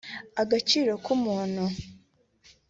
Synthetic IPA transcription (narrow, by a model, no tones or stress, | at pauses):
aɡat͡ʃiːɾo̞kumuːnhu